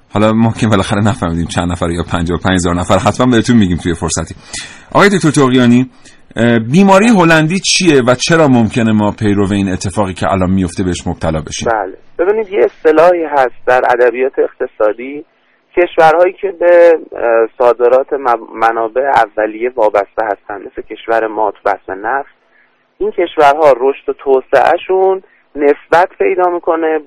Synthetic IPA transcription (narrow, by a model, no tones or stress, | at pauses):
hɒlɒmomcʰebelɒːxæɾenæfæɾmiːd̪iːmt͡ʃʰænd̪næfæɾjɒːpʰænd͡ʒɒopʰænd͡ʒhezɒːɾnæfæɾɦæt̪ʰbænbeet̪unmiɟiːmt̪ʰuje̞fo̞ɾsæt̪ʰiːʔɒ̰ːjed̪ok̚ʰʲt̪oɾt̪ʰoɣijɒːniː | biːmɒːɾijeɦo̞lænd̪iːt͡ʃʰijevæt͡ʃʰe̞ɾɒːmomcʰe̞ne̞mɒːpʰe̞jɾo̞veiːne̞t̪ʰːe̞fɒːɣiːcʰe̞̰ʔæ̰lɒːnmijo̞ft̪e̞beeʃmob̥̚t̪ʰælɒːbe̞̰ʃḭmbæːleb̥e̞biːniːd̪jeest̪e̞lɒːhiːɦæst̪̚d̪æɾæ̰d̪æbijɒːt̪ʰeːxt̪ʰe̞sɒːd̪iː | cʰe̞ʃvæɾhɒːjiːcʰe̞be̞ | sɒːd̪e̞ɾɒːt̪ʰe̞mænɒːbe̞ʔeævːælije̞vɒːbæst̪ehæst̪ænmesecʲʰe̞ʃvæɾemɒːt̪ʰubæ̰smenæfs | ʔincʰe̞ʃvæɾɦɒːɾoʃt̪ot̪ʰoːsḛʔæ̰ʃunː | e̞sbæt̪ʰpʰe̞jd̪ɒːmiːkʰo̞ne̞